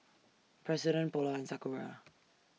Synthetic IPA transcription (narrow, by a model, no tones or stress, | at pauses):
pʰɹ̥ɛzɪɾə̃nb̥ɔlaɪ̃nsakuɹa